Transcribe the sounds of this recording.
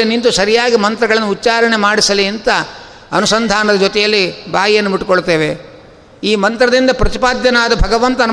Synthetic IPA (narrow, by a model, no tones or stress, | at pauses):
inint̪usɐɾijaːɡimɐnt̪ɾɐɡɐɭɐnːuːtːt͡ʃaːɾɐɳemaːɽisɐliɐnt̪ɐ | ɐnusɐnd̪ʱaːnɐd̪ɐd͡ʒot̪ɛjɐlːibaːjijɐnːumiʈːukoɭt̪e̞ːʋe | iːmɐnt̪ɾɐd̪ind̪ɐpɾɐt̪ipaːd̪jɐnaːd̪ɐbʱɐɡɐʋɐnt̪ɐn